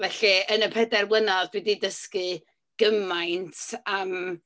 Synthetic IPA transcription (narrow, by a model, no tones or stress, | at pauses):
vɛɬiənəpʰɛdɛrwlˠənaðd̥wɛdidəskɨ | ɡ̥əmajntʰam